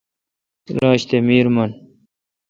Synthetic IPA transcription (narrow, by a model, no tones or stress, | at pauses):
ɾaːɕt̪emiːɾmɐn